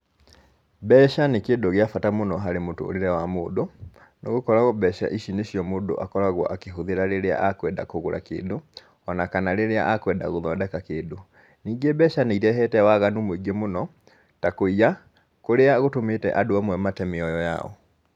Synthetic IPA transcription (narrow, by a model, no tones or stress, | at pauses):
bɛːʃanekeːdoɣeafatamonɔɦaɾemoto̰ːɾeɾɛwamoːdo | neɣokɔɾaɣɔbɛʃa̰ʔiʃineɕiɔmoːdo̰ʔakɔɾaɣwɔ̰ʔakeɦoðeɾaɾeɾea̰akwɛda̰koɣoɾa̰kḛːdo | ɔnakanaɾeɾea̰ʔakwɛda̰ɣoðɔndɛkakeːdo | niːɡebɛʃaneiɾɛɦɛtɛwaɣanomwiɡemonɔ | takoia | koɾeaɣotometɛ̰ʔadoamwɛmatɛmeɔjɔja̰ɔ̰